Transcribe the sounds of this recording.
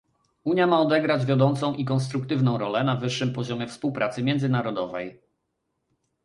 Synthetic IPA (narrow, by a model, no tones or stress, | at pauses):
uɲjamaɔd̪ɛɡɾad͡ʑvʲjad̪ɔnt̪sɔ̃w̃ʔikɔnst̪ɾuk̚t̪ɘvnɔ̃w̃ɾɔlɛnavɘʂːɘmpɔʑɔmʲjɛfspuwpɾʔat̪sɘmʲɛndzɘnaɾɔd̪ɔvɛj